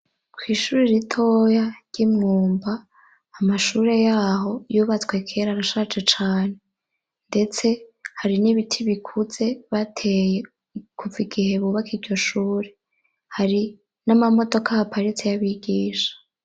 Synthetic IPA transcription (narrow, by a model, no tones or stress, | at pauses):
kwiːʃuːɾiɾitʰo̞jaɾɟ̥imŋuːmbaː | maʃuːɾe̞jaːɦo̞juːβat͡skwe̞kʰeːɾaɾaʃat͡ʃet͡ʃaːne̞ | nde̞t͡se̞haɾiniβitʰiβikʰuz̥e̞βatʰe̞je | kʰuviɡihe̞βuβakiɟo̞ʃuːɾe̞ | haɾi | namamo̞do̞kahapʰaɾit͡sejaβiɡiːʃḁ